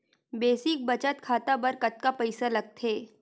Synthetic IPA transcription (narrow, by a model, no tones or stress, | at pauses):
beːsɪk̚bɐt͡ʃət̪kʰaːt̪abɐɾkɐt̪kapɐɪsalɐɡ̚t̪ʰeː